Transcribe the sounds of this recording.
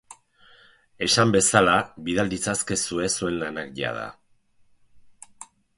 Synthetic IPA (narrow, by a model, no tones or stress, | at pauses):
e̞sambe̞salaβiðald̪it͡saske̞sue̞sue̞nlanakʝa̰ð̞a̰